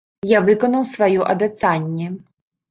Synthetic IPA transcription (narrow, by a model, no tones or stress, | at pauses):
javɨkɔnɐwsvajɔʔɐ̰bʲat̪sanʲːɛ